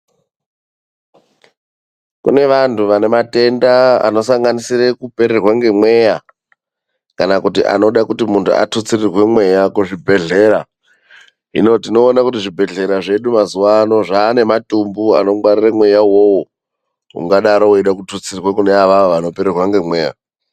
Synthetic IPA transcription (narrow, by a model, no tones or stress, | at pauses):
kṵne̞ʋantʰuʋane̞mate̞ndaa̰no̞saŋɡanisirekupe̞ɾerwaŋɡe̞mwe̞ja | kanakutiʔa̰no̞ɗakutimuntʰṵa̰tut͡sirirwe̞mwe̞jakuʐibʱe̞ɮeɾa | ḭno̞tino̞ːnakutiʐibʱe̞ɮe̞ɾaʐe̞ɗumazuwaːno̞ʐaːne̞matumbua̰no̞ɡwariremwe̞jawo̞wo | ɦṵŋɡaɗaɾouiɗakutut͡sirrwakuneaʋaoʋano̞pe̞ɾerwaŋɡe̞mwe̞ːja̰